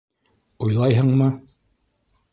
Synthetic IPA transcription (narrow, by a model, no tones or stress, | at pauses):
ujlˠɑjɦɤɴmɤ